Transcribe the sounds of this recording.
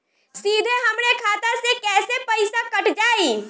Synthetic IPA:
siːd̪ʱeɦɐmɾekʰaːt̪asekɛːsepəɪsakəʈd͡ʒaːiː

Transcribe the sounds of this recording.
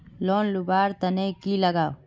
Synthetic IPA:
loːnlubaːɾt̪ɐnekilɐɡaːw

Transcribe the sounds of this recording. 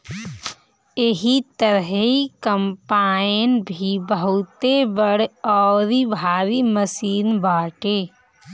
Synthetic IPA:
eɦit̪əɾɦikəmpaːɪnbʱibəɦʊt̪ebəɽɔːɾibʱaːɾiməsiːnbaːʈeː

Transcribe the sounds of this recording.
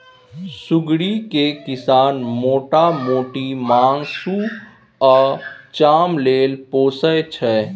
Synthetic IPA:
sʊɡɽikekɪsaːnmoːʈamoːʈimaːŋɡsu | ɔːɾt͡ʃaːmleːlpoːsəjt͡ʃʰɛː

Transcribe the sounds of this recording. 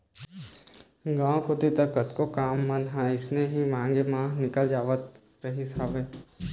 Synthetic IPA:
ɡãːõkʰʊt̪it̪ɐkːət̪kokaːmːɐ̃nɦɛ̃ɪsneɦimãːŋɡemãːnɪkəld͡ʒaːʋət̪ | ɾɐɦisaːʋeː

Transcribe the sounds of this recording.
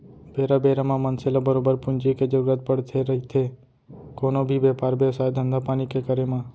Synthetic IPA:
beːɾabeːɾamãmənselabəɾoːbəɾpʊnd͡ʒiked͡ʒəɾuːɾət̪̚pəɽt̪ʰeɾəit̪ʰe | koːnobʱibeːpaːɾbeʋsaːjd̪ʱə̃nd̪apaːnikekəɾemãː

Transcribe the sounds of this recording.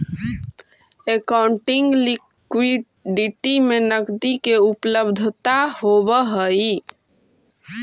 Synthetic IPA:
ekaʊɳʈɪŋɡli | kwiɖ | ɖiʈimenəkd̪ikeupləbd̪ʱt̪ahobəɦəi

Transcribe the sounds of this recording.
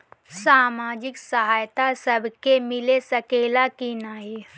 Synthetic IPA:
saːmaːd͡ʒɪksɐɦaːjt̪asɐbʱkemɪlesɐkeːlakinaːi

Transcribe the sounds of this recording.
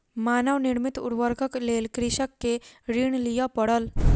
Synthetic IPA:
manəʋniɽmit̪ṵɽʋəɾɡəklelkɾiɕəkːeɾiːɳlijapəɽəl

